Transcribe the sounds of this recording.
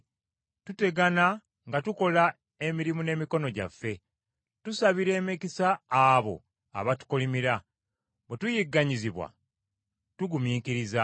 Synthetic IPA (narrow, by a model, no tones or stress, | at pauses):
tute̞ɡana | ŋɡatuko̞la | e̞miɾimune̞ːmiko̞no̞ɟa̰fːe̞ | tusaβiɾe̞ːmekisaːβo̞̰ | a̰βatu̥kolimiɾa | bwetujiɡːaɲiziβwa̰ | tuɡumiːkiɾiza